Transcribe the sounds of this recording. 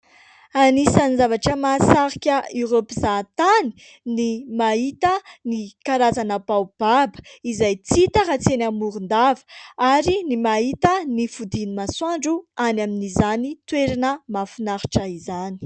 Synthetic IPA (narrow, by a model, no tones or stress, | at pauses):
anisanizavaʈ͡ʂəmasaɾikʲəiropizat̪ani̥ | nimaɦit̪ənikaɾazanəbawb̥abə̥izajt͡sit̪əɾat͡senamuɾund̪avə̥aɾinimaɦit̪ənifud̪inimaswaɳɖ͡ʐuanaminizanit̪weɾinəmafunaɾi̥ʈ͡ʂəizani̥